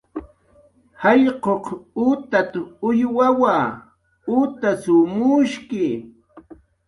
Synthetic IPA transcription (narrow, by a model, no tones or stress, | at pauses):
hɑʎqoqʊt̪at̪aʊjwawaː | ʊt̪asʊmʊʃkɪ